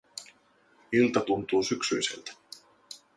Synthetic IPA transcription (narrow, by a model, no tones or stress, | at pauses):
ilt̪ɑt̪unt̪uːsyksyjse̞̰lt̪æ̥